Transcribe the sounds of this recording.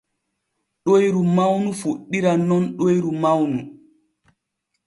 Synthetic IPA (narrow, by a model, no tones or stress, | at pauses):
ɗojɾumawnufuɗːiɾanɔnɗojɾumawnu